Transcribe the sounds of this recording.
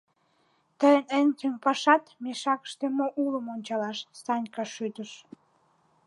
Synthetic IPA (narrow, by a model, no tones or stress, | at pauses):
t̪əjənenʲtempɑʃɑt̪meʃɑkə̥ʃt̪emoʔuləmonʲt͡ɕɑlɑʃsɑnʲkɑʃyt̪əʃ